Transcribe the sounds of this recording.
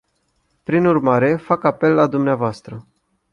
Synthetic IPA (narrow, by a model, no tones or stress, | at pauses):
pɾinurmaɾe̞fakape̞lːad̪umneavoast̪ɾə